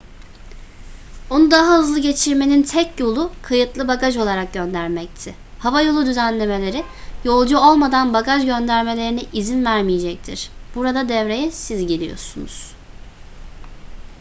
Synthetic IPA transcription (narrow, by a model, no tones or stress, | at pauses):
o̞nud̪aɦahɯzlˠɯɟe̞t͡ʃʰiɾme̞nint̪ʰɛcjo̞lˠukʰajɯt̪lˠɯbakaʒo̞lˠaɾak̚ɟø̞nd̪æɾmɛc̚t̪ʰɪ | havajo̞lˠud̪yzænlʲe̞me̞lʲe̞ɾɪ | jo̞lˠd͡ʒuo̞lˠmad̪anbakaʒɟø̞nd̪æɾme̞lʲe̞ɾiniʔizinvæɾmijed͡ʒɛc̚t̪ʰiɾ̥b̥uɾad̪ad̪ɛvɾe̞jɛsizɟelʲḭjo̞̰sunṵz̥